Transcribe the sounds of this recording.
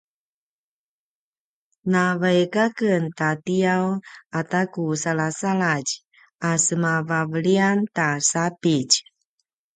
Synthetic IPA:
navajkakəntatijawatakusalasaɭaɟ | asəmavavəɭiantasapic

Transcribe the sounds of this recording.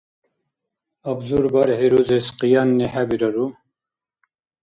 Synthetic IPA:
ɐbzuɾbaɾheɾuzesqijanːeħabiɾɐɾu

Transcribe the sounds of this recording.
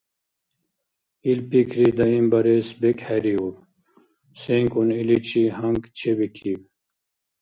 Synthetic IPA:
ilpikʰɾid̪ɐimbɐɾesbekheɾiub | seŋkunilit͡ɕʰihɐŋɡt͡ɕʰebikʰiw

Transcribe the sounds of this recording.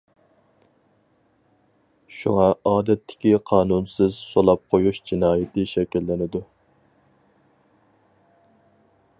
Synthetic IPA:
ʃṵŋɑɑːd̪ɛt̪ʰːɪ̥kʲiqʰɑːnunsɨzsolˠɑp̚qʰojuʃd͡ʒinɑːjɪt̪ʰɪʃɛkʲilːɪnɪd̪u

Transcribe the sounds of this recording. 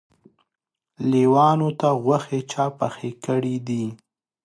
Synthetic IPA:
liwɑnot̪aɣwaxet͡ʃɑpaxekəɽid̪i

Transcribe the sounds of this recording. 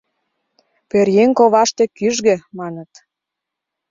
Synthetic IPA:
perjeŋkoβɑʃt̪ĕkyʒɣĕmɑnə̆t̪

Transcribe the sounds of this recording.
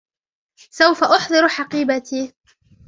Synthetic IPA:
sawfaʔʊħd̪ˤɨɾħɑqiːbat̪iː

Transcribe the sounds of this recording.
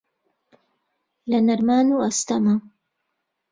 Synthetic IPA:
lɐnɐɾmaːnuːɐst̪ɐmɐ

